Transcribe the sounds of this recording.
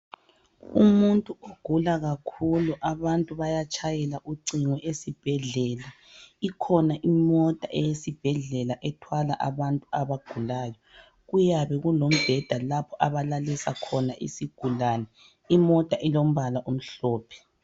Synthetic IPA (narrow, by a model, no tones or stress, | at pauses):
ṵmuntʼuoɡ̥ʱulaɣakʰuluʔaβantʼuβajat͡ʃʰʼajɛlaʔuǀiŋwɛʔesib̥ʱɛɮɛːla | ikʰɔnaʔimɔtʼaʔɛjesib̥ʱɛɮɛlaʔɛtʰwalaʔa̰βantʼuaβaɡ̥ʱulaːjɔ | ɣujaβɛɣulom̩b̥ʱɛd̥ʱalapʰɔʔaβalalɛsakʰɔnaʔḭsiɡ̥ʱulaːnɛ | imɔtʼaʔilom̩βalaʔum̩ɬɔːpʰɛ̥